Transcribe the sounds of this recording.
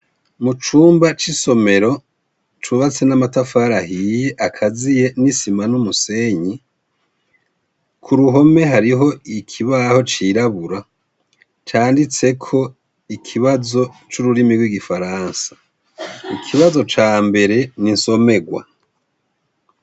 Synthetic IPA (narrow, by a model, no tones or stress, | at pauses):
mut͡ʃuːmbat͡ʃiso̞me̞ɾo̞ | t͡ʃuβat͡se̞namatafaːɾahije̞ʔakʰazije̞nisimanumuse̞ːɲi | kʰuɾuɦo̞me̞ɦaɾiɦo̞ikʰiβaho̞t͡ʃiːɾaβuɾa | t͡ʃaːndit͡se̞kʰo̞ | ikʰiβazo̞t͡ʃuɾuɾimiɡwiɡifaɾaːnsḁ | ikʰiβazo̞t͡ʃaːmbe̞ɾe̞ninso̞me̞ɡwa̰